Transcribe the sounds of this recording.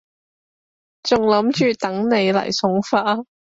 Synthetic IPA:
t͡sʊ˨ŋlɐ˨˥mt͡ʃyː˨t̪ɐ˨˥ŋne˨˧jlɐ̰˨˩jsʊ˨˥ŋfaː˧˥

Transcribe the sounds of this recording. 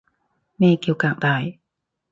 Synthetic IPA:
meː˧˩ki˧˩˨wkaː˧˩ŋd̪aː˧˩j

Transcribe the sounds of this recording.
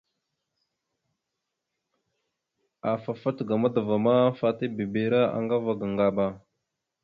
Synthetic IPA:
a˨fa˨fa˦tɡa˨ma˦də˨va˨ma˦fa˦ti˦bi˨be˨ɾa˦a̰˨ŋɡa˦va˨ɡa˨ŋɡa˨ba˨

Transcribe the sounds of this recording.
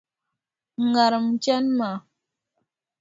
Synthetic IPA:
ŋa˨ɾə˨m̩˦t͡ʃɛ˦nma˨

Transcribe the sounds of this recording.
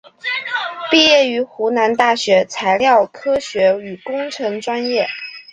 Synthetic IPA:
pi˥˧jɛ˥˩y˧˥xu˧˥na˧˥nt̪a˥˩ɕɥɛ˧˥t͡sʰa˧˥ɪljɑ˥˩ʊkʰɤ˥ɕɥɛ˧˥y˨˩kʊ˥ŋʈ͡ʂʰɤ˧˥ŋʈ͡ʂwa˥njɛ˥˩

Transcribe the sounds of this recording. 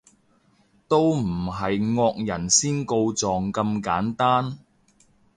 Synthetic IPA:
t̪o˥wm̩˨˩ɦɐ˨jŋɔː˧k̚jɐ˨˩nsiː˥nko˧wt͡sɔː˨ŋkɐ˧mkaː˨˥nt̪aː˥n

